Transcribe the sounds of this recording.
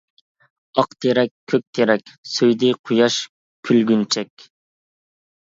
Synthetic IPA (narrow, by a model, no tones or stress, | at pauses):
ɑqt̪ʰeɾɛkʲʰːøk̚ʲt̪ʰeɾɛkʲsøjd̪ɪqʰujɑʃ | kʲʰylɡʲynt͡ʃʰɛkʲ